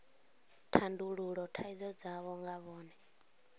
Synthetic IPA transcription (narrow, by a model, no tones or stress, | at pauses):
tʰanduɺuɺɔtʰaid͡zɔd͡zaβɔŋɡaβɔːnɛ